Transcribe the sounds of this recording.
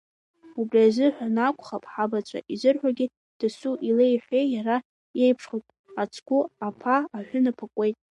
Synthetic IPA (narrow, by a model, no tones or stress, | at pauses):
ubriazɨħʷᶣanakʷʰʼχapʼħabat͡ʃʷʼa̰ʔizʷɨrħʷaɡʲi | d̥ɨsuʔilejħʷejjaɾa | jejpʰʂχojtʼ | at͡sʰɡ̥ʷʊapʰaaħᶣʷʊnapʰakʷʼe̞jtʼ